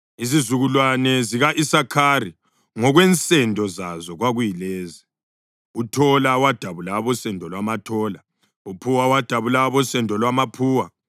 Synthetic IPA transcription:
izizuɣulwanɛziɣaʔisakʰari | ŋɔɣwɛnt͡sʼɛndʱɔzazɔɣwaɣujilɛːzi | utʰɔlawad̥ʱaβulaβɔsɛndʱɔlwamatʰɔːla | upʰuwawad̥ʱaβulaβɔsɛndʱɔlwamapʰuːwa

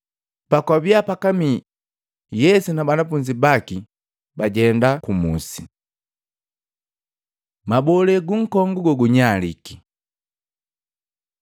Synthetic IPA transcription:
pakwabiapakami | jɛsunabanafuɲd͡ʒibaki | baɟɛndakumṵsi | mabɔlɛɡuŋ̩kɔŋɡuɡɔɡuɲaliki

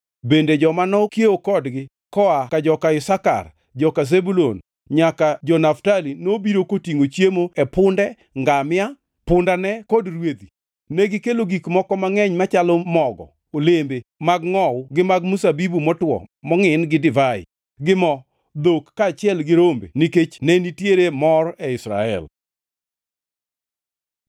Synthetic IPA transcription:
bended͡ʒɔmanɔkjeokɔdɡɪ | kɔakad͡ʒɔkaɪsaka̰r | d͡ʒɔkazebulon | ɲakad͡ʒɔnaftalinobiɾokotiŋot͡ʃjemoɛpʊndɛ | ŋɡamɪa | pʊndanɛkodrwed̪i | neɡɪkeloɡikmɔkɔmaŋɛɲmat͡ʃalɔmɔɡɔ̰ | olembemaɡŋɔwʊɡɪmaɡmusabibumɔtwɔ̰mɔŋɪnɡɪdɪvaɪ̰ | ɡɪmɔ | d̪okːaːt͡ʃɪɛlɡɪɾombḛniket͡ʃnɛnitjeɾemɔrɛɪsɾa̰ɛ̰l

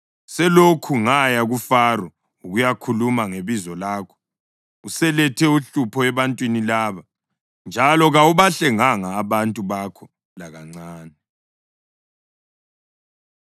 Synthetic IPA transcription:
sɛlokʰuŋajaɣufarɔ | uɣujakʰulumaŋeβizɔlaːkʰɔ̥ | usɛlɛtʰɛuɬupʰɔɛβantʼwinilaːβa | nd͡ʒʱalɔɣauβaɬɛŋaŋaːβantʼuβakʰɔ | laɣaŋ͡ǀaːnɛ

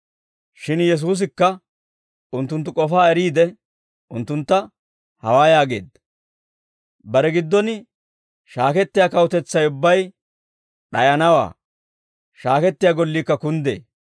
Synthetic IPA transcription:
ʃɪnjɛs̬uːs̬ɪkːɐ | ʊnt̪ːʊnt̪̬ːʊkʼɔfaːɛɾiːd̪ɛ | ʔʊnt̪ːʊnt̪ːɐ | hɐwaːjaːɡeːd̪ɐ | bɐɾɛɡɪd̪ːɔn | ʃaːkɛt̪ːɪjaːkɐwʊt̪ɛt͡sːɐjʊbːɐj | ɗɐjɐnɐwa̰ː | ʃaːkɛt̪ːɪjaːɡɔlːiːkːɐkʊnd̪ḛː

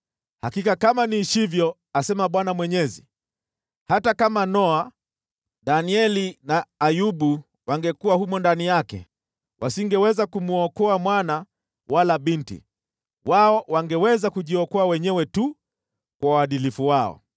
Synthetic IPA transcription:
hakikakamaniʃivjɔ | asɛmaɓwanamwɛɲɛzḭ | hatakamanɔa | ɗaniɛlinaːjuɓu | waŋɡɛkuwahumɔndanijakɛ̰ | wʔasiŋɡɛwɛzakumuɔkɔamwana | walaɓintḭ | waɔwaŋɡɛwɛzakuʄiɔkɔawɛɲɛwɛtu | kwawaɗilifuwaɔ̰

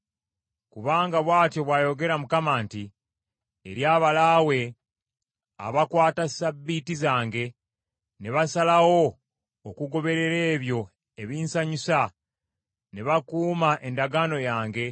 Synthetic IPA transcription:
kuβaːŋɡaβwaːtjo̞βwaːjo̞ɡe̞ɾamukamaːntiː | ɾjaːβalawe̞ | a̰βakwaːtasabːitizaːŋɡe̞ | ne̞βasalawo̞ː | kuɡo̞βe̞ɾe̞ɾe̞ːβjo̞ | e̞βiːnsaɲusa | neβakuːmaʔe̞ndaɡaːno̞jaːŋɡe̞

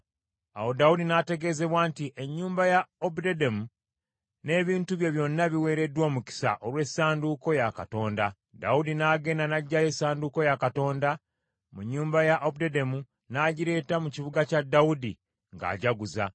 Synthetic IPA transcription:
a̰wo̞daudinate̞ɡe̞ːze̞βwaːntiʔe̞ɲːuːmbajaobdedemu | ne̞ːβiːntuβje̞βjo̞nːaβiwe̞ːɾe̞dwo̞ːmuci̥sa̰ʔo̞ɾwe̞saːnduko̞jaka̰to̞ːnda | da̰wudinaːɡe̞ːnanaɟːajesaːnduko̞jakato̞ːnda | muɲːuːmbajaʔobdedemu | naːɟiɾe̞ːtamuciβuɡacadːawudḭ | ŋɡa̰ːɟaɡuza̰

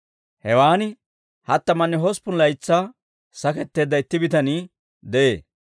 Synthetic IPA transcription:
hɛwaːnɪ | hɐt̪ːɐmɐnːɛɦɔspʊnlɐjt͡sːaː | sɐkɛt̪ːe̞ːd̪ːɐɪt̪ːɪbɪt̪ɐniː | d̪ɛʔḛː

